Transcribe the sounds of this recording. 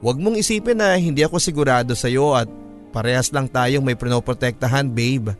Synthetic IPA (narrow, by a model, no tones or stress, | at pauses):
wɐɡ̚moŋɪsiːpɪnːɐhɪnd̪iːɐko̞sɪɡʊɾaːd̪o̞sɐjo̞ʔɐt̪̚ | pɐɾɛːhɐslɐŋt̪aːjo̞ŋmɐjpɾɪnopɾot̪ɛk̚t̪ɐɦanbɛjb